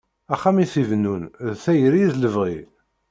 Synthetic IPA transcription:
æχːæmiθivnːunðθæjəɾizləvʁi

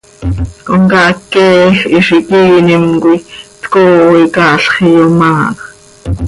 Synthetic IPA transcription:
koŋkaʔkːɛːxiʃiʔiːnimkʷit̪koːikɑːɬχijomaː

